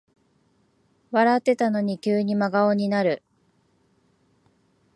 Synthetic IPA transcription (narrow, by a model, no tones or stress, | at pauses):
βaɾat̪ːe̞t̪ano̞ɲ̟ikʲɨːɲ̟imaɡaoɲ̟inaɾɯ̟